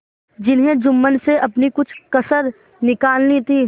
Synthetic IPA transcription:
d͡ʒɪnɦẽd͡ʒʊmːənseʔɐpnikʊt͡ʃʰkɐsəɾ | nɪkaːlnit̪ʰiː

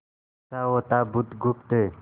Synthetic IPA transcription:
tawot̪abut̪ɡupt̪e

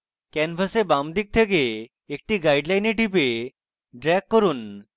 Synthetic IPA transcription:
kɛnfʰəsebamd̪ik̚t̪ʰekeː | k̚ʈiɡajɖlajneʈip̬e | ɖɾɛkːəɾuːn

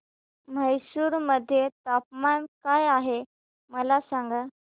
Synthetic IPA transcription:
m̤əjsuːɾməd̪ʱːjet̪ap̚mankajaɦe | məlasaŋɡa

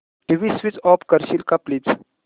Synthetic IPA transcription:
ʈiʋisʋit͡sɔpkəɾɕilkaplit͡s

